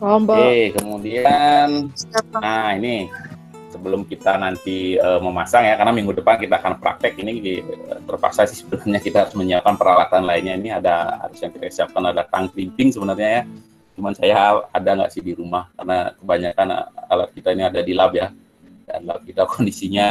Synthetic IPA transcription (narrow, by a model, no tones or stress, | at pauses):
ɔmbekəmudian | aini | səbəlʊmkit̪anant̪iəməmasaŋjakarnamiŋɡudəpankit̪aːkanpɾa̰k̚t̪ɛkiniiə̰t̪ərpa̰ksasɪhsə̥bənərɲakit̪ahaɾʊsməɲiap̚kanpəɾalat̪anlaɪnɲainiadaha̰ɾʊsjaŋkit̪akə̥siap̚kanadat̪aŋkimpɪŋsəbənərɲaja | t͡ʃumansajaadaŋɡa̰ʔsɪhdiɾumahka̰rnakəbaɲakan̰a̰lat̪̚kit̪ainiadadilabja | da̰nlab̚kit̪akʰondisiɲa